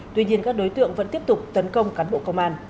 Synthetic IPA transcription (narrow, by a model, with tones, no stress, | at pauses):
t̪wi˧ɲi˧ənkaː˦˥k̚ɗo˨˦jt̪ɨ̰˧˨əŋvə̰˧˥nt̪i˦˥əp̚t̪ʊ˨˩k͡p̚t̪ə˨˦nkə˧wŋ͡mkaː˨˦nɓo̰˧˨kə˧wŋ͡mʔaː˧n